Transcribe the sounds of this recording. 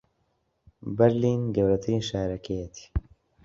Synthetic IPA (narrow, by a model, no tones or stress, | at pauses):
bɛɾliːnɡɐwɾɐt̪ʰɨɾiːnʃaːɾɐkʰejɛt̪ʰi̥